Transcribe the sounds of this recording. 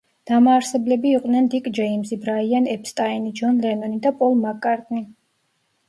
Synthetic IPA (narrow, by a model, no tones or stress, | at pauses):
d̪̥amaːɾsɛblɛbiːqʼd̪nɛnd̪ikʼd͡ʒɛimzibɾaianɛpst̪ʼainid͡ʒɔnlɛnɔnid̪apʼɔlˠmakʼaɾt̪ʼni